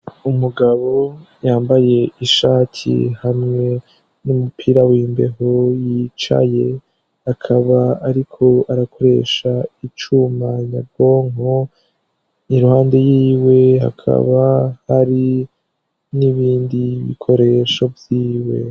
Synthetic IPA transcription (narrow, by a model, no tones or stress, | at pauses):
umuɡaβo̞ | jaːmbaje̞iʃaːtʰḭhamŋe̞ | numupʰiːɾawiːmbe̞̰ɦojit͡ʃa̰je̞ | akʰaβaaɾikʰo̞aɾakʰo̞ɾe̞̰ʃait͡ʃumaɲabɡo̞ːŋo | niɾuhaːnde̞jiːwe̞ɦa̰kʰa̰βahaɾi | niβiːndiβḭkʰo̞ɾe̞ʃo̞vjiːwe̞̰